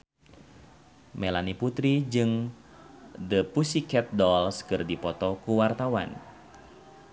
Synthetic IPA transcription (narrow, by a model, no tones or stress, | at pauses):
melaniput̪ɾid͡ʒɨŋ | dəpusikɛt̪̚dɔlskɨrdipɔt̪ɔkuwart̪awa̰n